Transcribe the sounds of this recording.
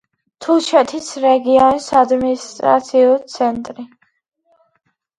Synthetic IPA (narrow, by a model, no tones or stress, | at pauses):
t̪ʰulˠʃɛt̪ʰisɾɛɡiɔnisad̪minist̪ʼɾa̰t̪sʰiut̪sʰɛnt̪ʼɾi